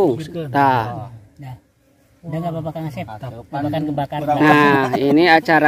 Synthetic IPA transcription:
uŋt̪ah | daŋababakaŋasɛt̚abakankəbakaɾnahiniat͡ʃaɾa

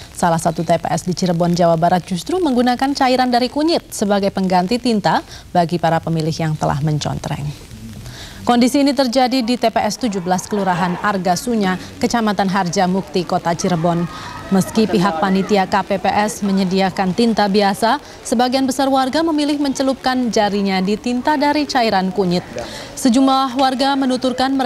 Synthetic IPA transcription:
salahsat̪ut̪epḛʔɛsdit͡ʃiɾbɔnd͡ʒawabaɾat̪̚d͡ʒust̪ɾuməŋɡunakant͡ʃaiɾandaɾikuɲɪt̪̚səbaɡajpəŋɡant̪it̪int̪abaɡipaɾapəmilɪhjaŋt̪əla̰hməɲt͡ʃɔ̰nt̪ɾɛ̰ŋ | kɔndisiːnit̪ərd͡ʒadidit̪epeʔɛst̪ud͡ʒuhbəlaskəluɾaɦanarɡasuɲa | kət͡ʃamat̪anɦard͡ʒamuk̚t̪ikot̪at͡ʃiɾbɔnməskipiɦak̚panit̪iakapepeʔɛsməɲədiakant̪int̪abiasa | səbaɡianbəsarwarɡaməmilɪhməɲt͡ʃəlup̚kand͡ʒaɾiɲadit̪int̪adaɾit͡ʃaiɾankuɲɪt̪̚səd͡ʒumlahwarɡamənut̪urkanmə

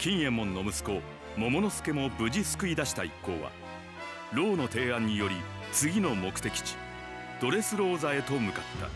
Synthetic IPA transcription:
kʲĩɰ̃jẽ̞mːõ̞nːo̞mɯsɨ̥ko̞ | mo̞mo̞no̞sɨ̥ke̞mo̞bɯ̟ʑisɨ̥kɯ̟id̪aɕi̥t̪aikːo̞̰ːβa̰ | ɾo̞ːno̞t̪e̞ːãɲ̟ːijo̞ɾʲi | t͡sɨɡʲino̞mo̞kɯ̟t̪e̞kʲi̥t͡ɕi̥ | d̪̥o̞ɾe̞sɨɾo̞ːzae̞t̪o̞mɯ̟kat̪ːa̰

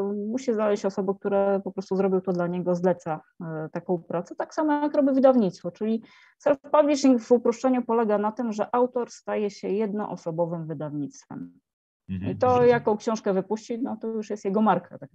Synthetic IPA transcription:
muɕiznalɛɕt͡ɕɔsɔbɛk̚t̪uɾɛpɔpɾɔst̪uzɾɔbʲiwt̪ɔd̪laɲɛɡɔzlɛt̪sa | t̪akɔ̃w̃pɾat̪sɛt̪aksamɔjakɾɔbʲivɘd̪avɲit̪st̪fɔt͡ʂɘlʲi | sɛɾfpavlʲiʂɲikvupɾɔʂt͡ʂɛɲupɔlɛɡanat̪ɘmʐɛʔawt̪ɔɾst̪ajɛɕɛjɛd̪̚nɔ̰ʔɔsɔbɔvɘmvɘd̪avɲit̪st̪fɛ̰m | ḭt̪ɔjakɔ̃w̃kɕɔ̃w̃ʂkɛvɘpuɕt͡ɕinɔt̪ɔjuʂjɛst̪jɛɡɔmaɾkʰa̰t̪ak

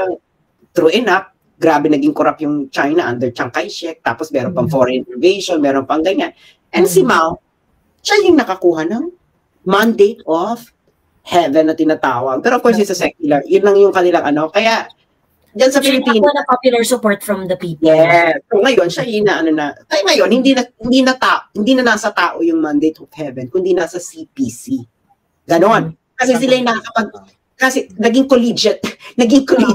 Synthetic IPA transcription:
ɐŋ | t̪ɾuːʔɪnap̚ | ɡɾaːbɛnɐɡiŋkʊɾapjʊŋt͡ʃajnɐʔɐnd̪ɛɹt͡ʃɐŋkajʃɛk̚t̪a̰ːposmɛːɾonpɐŋfoɹɛnɪvɛjʃonmɛːɾonpɐŋɡɐɲan | ʔɛnsɪmawt̪̚ | ʃajʊŋnɐkɐkuːhɐnɐŋ | mand̪ejt̪of | hɛvɛnɐt̪ɪnat̪aːwɐɡpɛːɾokwɛnt̪ɪsɐsɛkjʊlɐjʊnːɐŋjʊŋkɐnɪlaŋʔɐno̞kɐjaʔ | d͡ʒɐnsɐpɪlɪpiːnɐnɐpapjʊlɐɹsʊpoɹt̪fɹɐmd̪ɐpijɛsoŋɐjo̞nʃajɪnɐʔɐnonɐk̪ɐjŋɐjo̞nhɪnd̪inɐhɪnd̪inɐt̪aːʔhɪnd̪iːnɐnaːsɐt̪aːʔo̞jʊŋmand̪ejt̪ofhɛvɛnkʊnd̪inasɐsipisi | ɡɐno̞n | kɐsɛsɪlajnɐkɐkɐpɐɡ̚ | kaːsɛnɐɡɪŋkolid͡ʒɛt̪nɐɡɪŋkoli

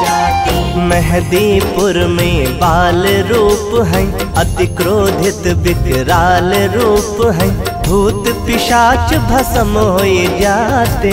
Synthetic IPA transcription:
mɛɦd̪ipʊɾmeːbaːlɾuːpɦɛ̃ | ɐt̪ɪkɾoːd̪ʱɪt̪bɪkɾaːlɾuːpɦɛ̃bʱuːt̪pɪʃaːt͡ʃbʱɐsəmɦoːid͡ʒaːt̪e

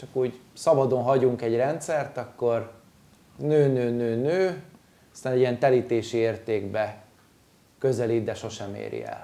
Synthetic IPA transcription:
t͡ʃɒkuːɟsɒbɒd̪o̞nɦɒɟuŋkɛɟrɛnt̪sɛrt̪ɒkːo̞r | nøːnøːnøːnøː | ɒst̪aːnɛɟiɛnt̪ɛliːt̪eːʃieːrt̪eːɡbɛ | kø̞zɛlid̪ɛʃo̞ʃɛmḛːɾḭɛ̰l

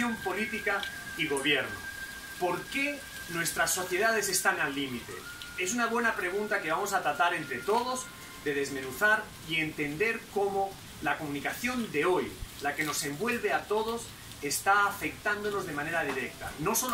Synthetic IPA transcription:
jompo̞lit̪ikaiɣ̞o̞βjeɾno̰ | po̞ɾke | nwe̞st̪ɾasːo̞θjeðað̞e̞se̞st̪aŋalːimit̪e̞̰ | e̞s̬unaβ̞we̞napɾe̞ɣ̞unt̪ake̞βamo̞sat̪ɾat̪aɾe̞nt̪ɾe̞t̪o̞ð̞oz | d̪e̞ð̞e̞zmẽ̞nuθaɾ | ie̞nt̪e̞nd̪e̞ɾko̞mo | lakomũnikaθjo̞nd̪e̞o̞jlake̞no̞sẽ̞mbwe̞lβeat̪o̞ðo̞s | e̞st̪aːfe̞k̚t̪and̪ono̞zð̞e̞mãne̞ɾað̞iɾek̚t̪a̰no̞so

